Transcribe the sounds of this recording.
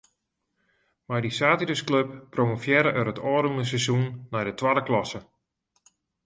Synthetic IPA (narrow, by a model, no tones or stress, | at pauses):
majdisaːtiɾəskløp̚ːromofjɛɾəʔəɾətʰɔːɾunəsɛzunːɛjdətʰwadəklɔsə